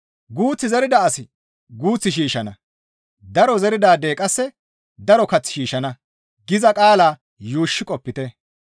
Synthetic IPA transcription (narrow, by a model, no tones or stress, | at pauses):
ɡuːt͡sːɪzɛɾɪd̪ɐɐsɪ | ɡuːt͡sːɪʃiːʃɐnɐ | d̪ɐɾɔzɛɾɪd̪aːd̪e̞ːkʼɐsːɛ | d̪ɐɾɔkɐt͡sːɪ̥ʃiːʃɐnɐ | ɡɪzɐkʼaːlaː | juːʃːɪkʼɔpːɪt̪e